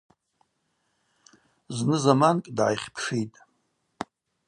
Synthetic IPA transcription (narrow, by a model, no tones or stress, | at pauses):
znɨzamankʼdʕa̰jχʲpʰʂijtʼ